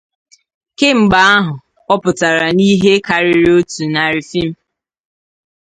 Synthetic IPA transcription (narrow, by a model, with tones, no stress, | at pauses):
ke˦ŋ͡m̩˨ɡ͡ba˦a˦ɦʊ˨ | ɔ˦pʊ˨ta˨ɾa˨ni˦ɦe˦ka˨ɾɪ˦ɾo˦tu˨na˨ɾi˨fi˦m̩˦